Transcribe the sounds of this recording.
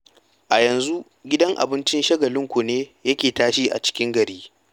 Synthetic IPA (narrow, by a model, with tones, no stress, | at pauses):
ʔa˨jɐ˨nzu˦ | ɡʲɪ˦dɐ˦ŋʔa̰˨bɪ˦nt͡ʃɪ˦nʃɐ˦ɡɐ˨lɪ˦ŋkʷu˨neː˦jɐ˦kʲeː˨taː˦ʃiː˦ʔa̰˨t͡ʃɪ̥˦kʲɪ˦ŋɡɐ˨ɾiː˦